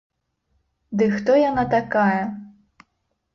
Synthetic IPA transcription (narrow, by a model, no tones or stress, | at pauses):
d̪ɨxt̪ɔjanat̪akajɐ